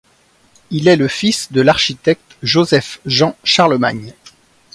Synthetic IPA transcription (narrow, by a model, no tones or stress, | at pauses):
ilɛləfisd̪əlaʁʃit̪ɛk̚t̪ʒozɛfʒɑ̃ʃaʁləma̰ɲ